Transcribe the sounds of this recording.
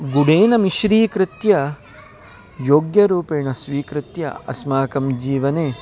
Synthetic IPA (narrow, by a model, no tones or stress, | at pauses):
ɡuɽeːnɐmiʃɾiːkɾɪt̪jɐ | joːɡjɐɾuːpeːɳɐsʋiːkɾɪt̪jɐ̰ɐ̰smaːkɐmd͡ʒiːʋɐneː